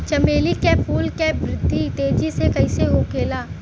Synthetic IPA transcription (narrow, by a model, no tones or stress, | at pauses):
t͡ʃɐmeːlikepʰuːlkebɾɪd̪ʱːit̪eːd͡ʒisekɐɪseɦoːkeːlaː